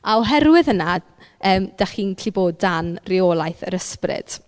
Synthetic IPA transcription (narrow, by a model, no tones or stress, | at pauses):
aɔɦɛrwɪðəna | əːmd̥aχiːnkʰiboːdanrɪoːlˠajθə̰ɾəsprɪ̰d̥